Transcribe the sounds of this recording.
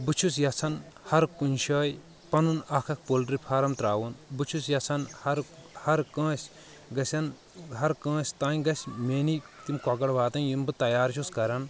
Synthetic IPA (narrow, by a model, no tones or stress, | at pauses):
bɨt͡ʃʰus̬jɐt͡sʰɐn | hɐɾkunʲʃɐːj | pɐnunɐkʰɐk̚polɖɾipʰaːɾɐmt̪ɾaːwunbɨt͡ʃʰusjɐt͡sʰɐnhɐɾhɐɾkə̃ːsʲ | ɡɐsʲɐn | ɦɐɾkə̃ːsʲt̪ãːjɡɐsʲmeːnit̪imkɔɡɐɽʋaːt̪ɐnjumbɨt̪ɐjaːɾt͡ʃʰuskɐɾɐn